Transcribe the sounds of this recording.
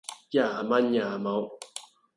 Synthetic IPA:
ja˦˨ma˦ɲaː˨ma˨˦w

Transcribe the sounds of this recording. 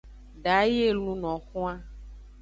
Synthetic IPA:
ɖa˨˦je˦˨lũ˨nɔ̃˨xũ˦a˦

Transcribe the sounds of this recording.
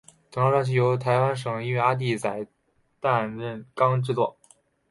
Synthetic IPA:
t͡sɤ˨˩ŋɑ˥˧wa˥˧nt͡ɕ̬ʰi˥˩jo˧˥ʊt̪ʰa˧˥ɪwa˥nʂ̬ɤ˨˩ŋi˥ɥɛ˥˧a˥t̪̬i˥˩t͡sa˨˩ɪ | t̪a˥˧nɻə˥˩nkɑ˥ŋʈ͡ʂɻ̩˥˧t͡swɔ˥˩

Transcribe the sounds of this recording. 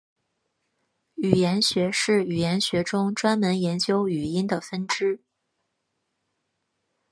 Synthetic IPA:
y˨˩jɛ˧˥nɕɥɛ˧˥ʂɻ̩˥˩y˨˩jɛ˧˥nɕɥɛ˧˥ʈ͡ʂʊ˥ŋʈ͡ʂwa˥nmə˧˥njɛ˧˥nt͡ɕjo˥ʊy˨˩i˥nd̪ə˨fə˥nʈ͡ʂɻ̩˥

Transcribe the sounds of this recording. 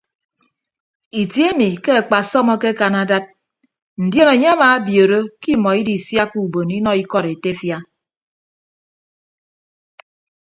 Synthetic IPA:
i˨tje˦mi˨ke˦a˨k͡pa˨sɔ˦mɔ˦ke˦ka˨na˨da˦t̚ | n̩˨dje˦ne˨ɲe˦a˦ma˨˦bjo˨ɾo˦ki˦mɔ˨i˦di˨sja˦ku˨bo˨ni˦nɔ˨i˦kɔ˨ɾe˨te˦fja˦

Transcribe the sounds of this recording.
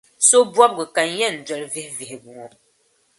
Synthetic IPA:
so˦bwɔ˦p̚ɡɨ˨ka˨n˦jɛ˦˨n̩˨d͡ʒwɛ˨lvi˦hvi˨hbu˨ŋɔ˨

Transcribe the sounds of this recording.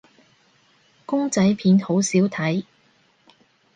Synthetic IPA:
kʊ˥ŋt͡sɐ˨˥jpʰiː˨˥nho˨˥wsiː˨˥wt̪ʰɐ˨˥j

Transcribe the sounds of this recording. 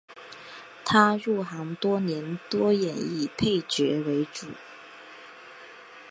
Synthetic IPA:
t̪ʰa˥ɻu˥˩xɑ˧˥ŋt̪wɔ˥njɛ˧˥nt̪wɔ˥jɛ˨˩ni˥˩pʰe˥˩ɪt͡ɕɥɛ˧˥we˧˥ɪʈ͡ʂṵ˨˩˦

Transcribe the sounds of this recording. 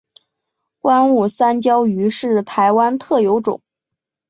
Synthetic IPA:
wa˥nu˥˩sa˥nt͡ɕjɑ˥ʊy˧˥ʂɻ̩˥˩t̪ʰa˧˥ɪwa˥nt̪ʰɤ˥˩jo˧˥ʊʈ͡ʂʊ̰˨˩˦ŋ

